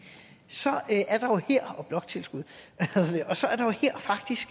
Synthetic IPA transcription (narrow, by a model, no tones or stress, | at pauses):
sɒ̽ʔæɐɾ̥ɑ̈jo̝heɐ̰ɒ̽b̥lɒ̽ɡ̥t͡sʰe̝lsɡ̥uð̞̰ˠæheðˠɐd̥eɒ̽sɒ̽æɐɾ̥ɑ̈jo̝heɐ̰fɑ̈ɡ̥̚d̥isɡ̥